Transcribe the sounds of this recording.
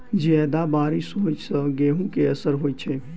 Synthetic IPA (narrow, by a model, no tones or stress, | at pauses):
d͡ʒɛːd̪abaːɾɪʃɦoːt͡ʃsəɡeːɦũkeɐsəɾɦoːit͡ʃʰeː